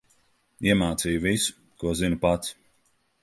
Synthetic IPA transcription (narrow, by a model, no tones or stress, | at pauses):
iɛmaːt̪sijuvisu̥ | kuɔzinpat̪s